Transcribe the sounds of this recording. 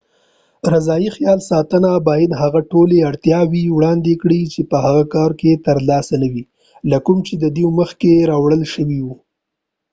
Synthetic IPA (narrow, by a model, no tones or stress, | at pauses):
ɾazɑjixjɑlsɑt̪ənabɑjad̪ɦaɣaʈoleaɽt̪jɑwiwɽɑnd̪ekɽit͡ʃepəɦaɣakɑɾket̪əɾlɑsanawi | lakʊmt͡ʃed̪əd̪iməxkeɾɑwɽəlʃəwiwu